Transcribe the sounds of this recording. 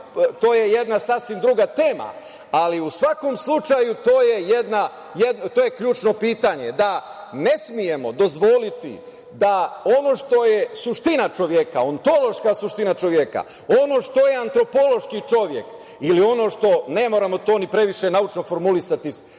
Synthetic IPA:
t̪o̞ːjejed̪nasasʋimd̪ɾuɡat̪e̞ːma̰ | aliusʋako̞mslˠut͡ʃajut̪oːje̞jed̪na | jed̪not̪oːjekʎuːt͡ʃno̞piːt̪aɲe̞d̪a | ne̞smije̞mo̞d̪o̞zʋo̞lit̪ḭ | d̪ao̞no̞ʃt̪o̞jesuʃt̪inat͡ʃo̞ʋje̞ka̰ont̪o̞lˠo̞ʃkasuʃt̪inat͡ʃo̞ʋjeka̰ | o̞no̞ʃt̪o̞jeant̪ɾo̞po̞lˠo̞ʃkit͡ʃo̞ʋje̞̰k | ilio̞no̞ʃt̪o̞ne̞mo̞ɾamo̞t̪o̞ːnipɾe̞ʋiʃe̞naut͡ʃno̞fo̞ɾmulisat̪i

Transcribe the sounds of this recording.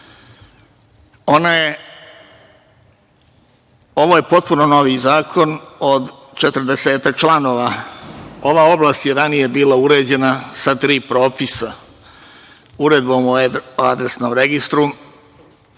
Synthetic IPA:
o̞naje | o̞ʋoːje̞po̞t̪̚puno̞no̞ʋizaːkʰo̞nod̪ | t͡ʃe̞t̪ɾd̪eseːt̪ak̚t͡ʃlˠano̞ːʋa | o̞ʋaːo̞blaːst̪jeɾanijebiːlauɾe̞ːd͡ʑe̞nasat̪ɾiːpɾo̞ːpisa | uɾe̞d̪bomoad̪ɾesno̞ːmɾe̞ɡist̪ɾu

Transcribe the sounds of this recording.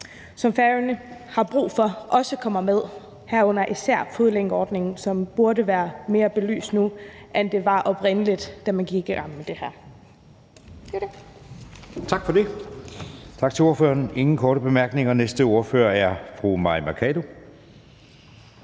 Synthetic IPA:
sɒ̽mfæʁənəhɑ̈b̥ʁṵːfɒ̽ʔɒ̽səkʰɒ̽m̰ɐmeð̞ˠ | hæɐɔ̽n̰ɐʔisæɐ̰foð̞ˠleŋɡ̥əɒːd̥ne̝ŋn̩sɒ̽mb̥uɐɾəʋæːɐme̝ːɐb̥e̝ly̰ːsd̥nuʔend̥e̝ʋɑ̈ʔɒ̽b̥ʁen̰əlid̥d̥æmænkiɡ̥ɑm̰med̥e̝hæɐ̰ | t͡sʰɑ̈ɡ̥fɒ̽d̥e̝ | t͡sʰɑ̈ɡ̥̚t͡sʰe̝lo̝ɐføːɐne̝ŋn̩kʰɒːɾəb̥e̝mæɐɡ̥ne̝ŋɐnesd̥əo̝ɐføːɐæɐfʁumɑ̈imækʰɛlo̝

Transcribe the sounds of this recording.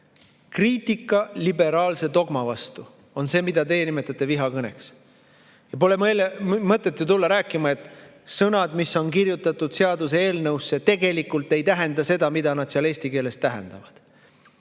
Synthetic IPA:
kriːt̪ikːˑɑlibe̞ɾɑːlse̞d̪o̞ɡ̥mɑvɑst̪u | o̞nse̞ːmid̪̥ɑt̪e̞jenimet̪ːˑɑt̪ːˑe̞viɦɑkɤneks | jɑpo̞le̞mlmɤt̪ːˑet̪ːjut̪ulːɑɾæːkːˑimɑe̞t̪ | sɤnɑd̪misːo̞nkirjut̪ːˑɑt̪ːˑud̪̥seɑd̪us̬ee̞ːlnɤwsːe̞t̪e̞ɡe̞likːult̪ːe̞jt̪æɦe̞nd̪ɑse̞d̪ɑmid̪̥ɑnɑd̪̥seɑle̞ːst̪ike̞ːle̞st̪ːæɦḛnd̪̥ɑvɑd̪̥

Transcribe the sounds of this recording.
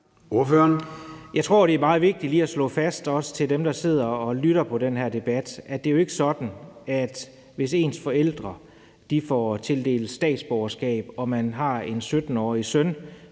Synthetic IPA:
o̝ɐføɐnjɑ̈ɪt͡sʰʁo̝ɐ̰ɾ̥e̝æɐmɑ̈ːð̩ˠʋe̝ɡ̥̚d̥i̥liːæslɔ̰̽ːfæsd̥ɒ̽sə̥t͡sʰe̝ldemd̥ɑ̈se̝ð̞̰ˠɐɒ̽lyɾ̥ɐpʰɒ̽ɾ̥enɦæɐd̥e̝b̥æd̥ʔæd̥e̝æjoe̝ɡ̥əsɒ̽d̥n̩æd̥ | ʋe̝s̬e̝̰ːnsfɒ̽el̰d̥ʁɐ | d̥ifɒt͡sʰe̝ld̥e̝̰ːld̥sd̥ɛ̰ːd̥sb̥ɒɐsɡ̥ɛ̰ːb̥ɒ̽mænɦɑ̈e̝nsød̥n̩ɒ̰ːisœn

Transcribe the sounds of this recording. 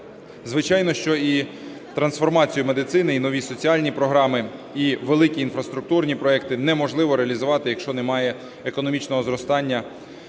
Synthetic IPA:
zʋɪt͡ʃɑjnɔʃt͡ʃɔi | t̪ɾɐnsfɔrmɑt͡sʲijʊmed̪ɪt̪sɪnɪinɔʋʲisɔt͡sʲiɑlʲnʲipɾɔɦɾɑmɪiʋelˠɪkʲiːnfɾɐst̪ɾʊk̚t̪urnʲipɾɔɛkt̪ɪnɛmɔʒlˠɪʋɔɾeɐlʲizʊʋɑt̪ɪjɐkʃt͡ʃɔnɛmɑjɛ | ekɔnɔmʲit͡ʃnɔɦɔzɾɔst̪ɑnʲːɐ

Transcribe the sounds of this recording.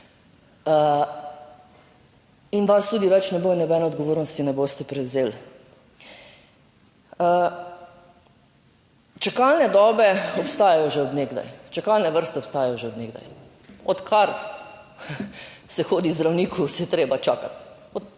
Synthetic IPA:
inʋast̪uːd̪iʋɛt͡ʃnɛboːnɛbɛːnɛod̪ɡoʋoːɾnɔst̪inɛboːst̪ɛpɾɛwzeːl | t͡ʃakalnɛd̪ɔːbɛɔpst̪aːjajɔʒɛɔd̪neɡd̪a̰jt͡ʃakalnɛʋəɾst̪ɛɔpst̪aːjajɔʒɛɔd̪neɡd̪a̰j | ɔt̪kʰaɾ | sɛxoːd̪izd̪ɾawniːkʰusɛjɛt̪ɾeːbat͡ʃaːkat̪ | ɔ

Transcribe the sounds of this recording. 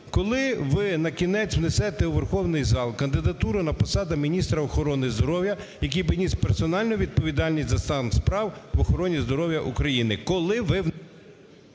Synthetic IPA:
kɔlˠɪʋɪnɐkʲinɛt͡sʲwnesɛt̪ɛuʋerxɔwnɪjzɑlˠkɐnd̪ɪd̪ɐt̪uɾʊnɐpɔsɑd̪ɐmʲinʲist̪ɾɐɔxɔɾɔnɪzd̪ɔɾɔwjɐ | jɐkijbɪnʲispersɔnɑlʲnʊʋʲid̪̚pɔʋʲid̪ɑlʲnʲisʲtʲzɐst̪ɑnxspɾɑwʋɔxɔɾɔnʲizd̪ɔɾɔwjɐʔukɾɐjinɪkɔlˠɪʋɪ

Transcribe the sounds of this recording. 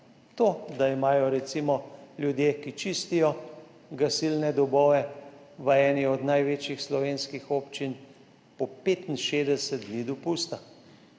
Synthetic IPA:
t̪oːd̪aimaːjɔɾɛt̪simɔljud̪jeːkit͡ʃist̪ijɔ | ɡasilnɛd̪ɔbɔːʋɛʋəɛːniɔd̪najʋeːt͡ʃjixslɔʋeːnskixoːpt͡ʃin | pɔpet̪inʃed̪ɛsɛt̪̚d̪nid̪ɔpust̪a

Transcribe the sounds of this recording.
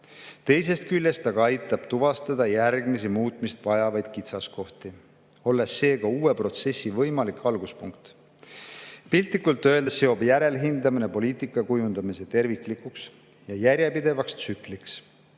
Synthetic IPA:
t̪e̞js̬e̞st̪̚kylʲːe̞st̪ɑɡ̥ɑɑjt̪ːˑɑb̥t̪uvɑst̪ɑd̪̥ɑjærɡmis̬imuːt̪ˑmist̪vɑjɑvɑjd̪̥kit̪sɑsko̞ht̪i | o̞lːe̞sːe̞ːkɑuːe̞pro̞t̪se̞sːivɤ̞jmɑlikɑlɡ̥uspuŋk̚t̪ | pilʲt̪ˑikːˑult̪ːˑøe̞ld̪sːe̞o̞bjæɾe̞lɦind̪ɑmine̞po̞liːt̪ˑikˑːɑkujund̪̥ɑmise̞t̪e̞rvikˑlikˑuks | jɑjæɾʲjepid̪̥e̞vɑkst̪sykˑliks

